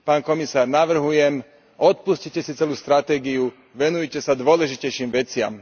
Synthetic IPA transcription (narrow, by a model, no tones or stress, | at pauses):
paːnkɔmisaːɾnaʋr̩ɦujɛm | ɔt̪̚puscicɛsit͡sɛluːst̪ɾat̪ɛːɡiu | ʋɛnujɛcɛsad̪ʋʊɔlɛʒicɛjʃiːmʋɛt͡sɪa̰m